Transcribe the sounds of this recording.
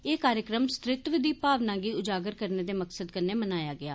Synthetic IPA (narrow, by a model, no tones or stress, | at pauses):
eːkaːɾjəkɾəmst̪ɾɪt̪ʋəd̪iːpaːʋnãːɡiːʊd͡ʒaːɡəɾkəɾneːd̪eːməksəd̪kəɾneːmənaːjaːɡɪa̰ː